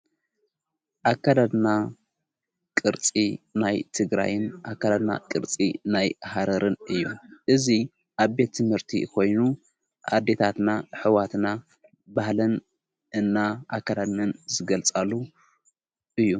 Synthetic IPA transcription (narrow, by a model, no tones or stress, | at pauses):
ʔakːad̪ad̪na | kʼɨɾt͡sʼinajt̪ʰɨɡɾa̰jɨnʔakːad̪ad̪na̰kʼɨɾt͡sʼḭnajhaɾɐɾɨnɨjːṵʔɨzi | ʔaβbe̞t̪ʰːɨmhɨɾt̪ʰḭkʰo̞jnu | ʔa̰d̪e̞t̪ʰat̪naħɨwat̪na | bahlɨn | ɨnːaʔakːad̪ad̪nɨnzɨɡɐlt͡sʼalːu | ʔɨjːu